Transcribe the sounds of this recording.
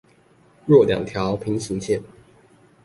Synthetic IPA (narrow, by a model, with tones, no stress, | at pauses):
ɻwɔ˥˨ljɑ̰˨˩ŋt̪ʰjɑ˨˦ʊpʰi˧˥ŋɕi˧˥ŋt͡ɕʰjɛ˥˨n